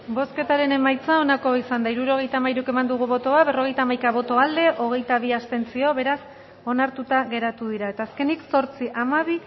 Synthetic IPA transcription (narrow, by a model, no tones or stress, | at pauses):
bo̞ske̞t̪aɾe̞ne̞majt͡sao̞nako̞isand̪aiɾuɾo̞ɣ̞e̞jt̪aːmajɾuke̞mand̪uɣ̞uβo̞t̪o̞aβe̞ro̞ɣ̞e̞jt̪aːmajkaβ̞o̞t̪o̞ald̪e̞ʔo̞ɣ̞e̞jt̪aβ̞iast̪e̞nt͡sio̞βe̞ɾas | o̞naɾt̪ut̪aɣe̞ɾat̪uð̞iɾae̞t̪aːske̞nikso̞ɾt͡siʔamaβi